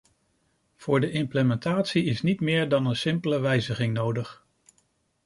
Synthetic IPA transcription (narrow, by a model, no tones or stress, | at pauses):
v̥ʊːɹdəʔɪmpləmɛntaːtsiɪsnitmɪːɹdɑnənsɪmpələʋɛjzəχɪŋnowdəχ